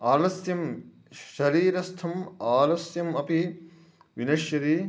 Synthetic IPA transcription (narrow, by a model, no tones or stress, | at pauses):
aːlɐsjɐm | ʃɐɾiːɾɐst̪ʰɐmaːlɐsjɐmɐpi | ʋinɐʃjɐɾi